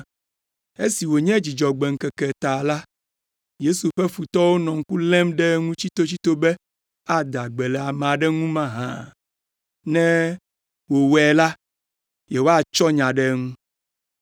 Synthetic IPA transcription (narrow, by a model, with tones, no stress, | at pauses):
e˦si˨wo˨ɲɛ̃˦d͡ʑi˨d͡ʒɔ˨ɡ͡bɛ˨ŋ̩˨kɛ˨kɛ˨t̪a˨la˦ | je˦su˨ɸɛ˦fu˨t̪ɔ˦wo˦nɔ̃˨ŋ̩˦ku˦lɛ̃˦mɖɛ˦ŋũ˦t͡ɕi˦t̪o˦t͡ɕi˦t̪o˦bɛ˦ | a˨d̪a˨ɡ͡bɛ˨lɛ˨a˨mã˨ɖɛ˦ŋũ˦mã˦ɦã̰˨ | nɛ̃˦ | wo˨wɛ˨la˦ | jɛ˨wo˦a˦t͡ʃɔ˦ɲã˨ɖɛ˦ŋũ˦